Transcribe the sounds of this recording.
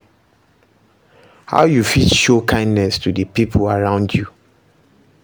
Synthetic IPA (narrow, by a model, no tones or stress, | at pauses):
ha̰ʊjufitʃokʰãɪ̃ndnɛstʰudəpipʰlaɹãʊ̃ndju